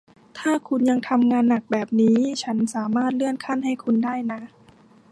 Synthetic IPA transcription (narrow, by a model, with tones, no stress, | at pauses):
t̪ʰaː˥˩kʰu˧nja˧ŋt̪ʰa˧mŋaː˧nːa˨˩k̚bɛː˨˩p̚niː˦˥t͡ɕʰa˦˥nsaː˩˦maː˥˩t̪̚lɯ˥˩ənkʰa˥˩˨nha˥˩jkʰu˧ndaː˥˩jna˦˥ʔ